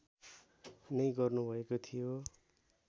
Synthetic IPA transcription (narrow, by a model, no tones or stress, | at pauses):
nʌjɡʌrnubʱʌekot̪ʰijo